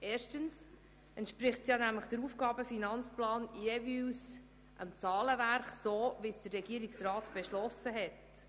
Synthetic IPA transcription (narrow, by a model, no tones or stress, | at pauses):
eːɾʃtəns | əntʃpɾɪχtsjɑnæmləχd̥əɾufɡ̥ɑːbəfinɑnt͡splɑːnjeviws | ʔəmt͡sɑːləvæɾχsoːvisd̥ərɛɡiːəɾiksrɑːt̪b̥eʃlɔsəɦɛt